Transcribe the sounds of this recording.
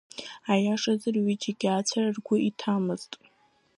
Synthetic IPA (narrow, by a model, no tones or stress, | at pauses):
ajaʂazɨrɥid͡ʒiɡʲat͡sʷʰararɡʷʊʔitʰamɨztʼ